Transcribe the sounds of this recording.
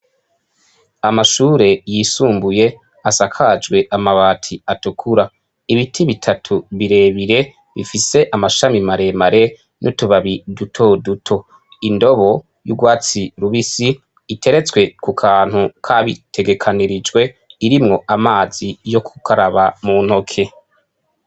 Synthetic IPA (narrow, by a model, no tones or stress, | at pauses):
amaʃuːɾe̞jiːsuːmbuje̞ | asakʰad͡ʒɡwe̞ʔamaβaːtʰiatukʰuɾa | iβitʰiβitʰatʰuβiɾe̞ːβiɾe̞ | βḭfise̞ʔamaʃamimaɾe̞maɾe̞ | nʔutuβaβidutʰo̞dutʰo̞ | indo̞βo̞ | jṵɡwaːt͡siɾuβisiː | tʰe̞ɾe̞t͡swe̞kukʰaːn̥hukʰaβitʰe̞ɡe̞kʰaniɾid͡ʒɡwe̞ | iɾimŋo̞ʔamaːz̥ijo̞kʰu̥kʰaɾaβamun̥ho̞kʰe̞